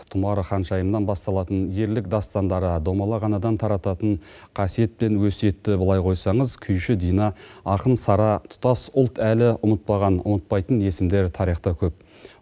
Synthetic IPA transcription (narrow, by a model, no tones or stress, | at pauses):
t̪ʰʊmɑɾəχɑnʃɑjəmnɑnbɑst̪ɑlˠɑt̪ənje̞ɾlɪk̚d̪ɑst̪ɑnd̪ɑɾəd̪omɑlˠɑʁɑnɑd̪ɑnt̪ʰɑɾɑt̪ɑt̪əɴ | qʰɑsije̞t̪̚pe̞nwɵsje̞t̪ːɪbəlˠɑjqʰo̞jsɑɴəzkʲʰʏjʃɪd̪ijnɑɑqənsɑɾɑt̪ʰʊ̥t̪ɑsʊlˠt̪ʰælɪʔʊmət̪̚pɑʁɑnʊ̰mət̪̚pɑjt̪əne̞sɪmd̪e̞ɾt̪ʰɑɾijχt̪ɑkʲʰɵp̚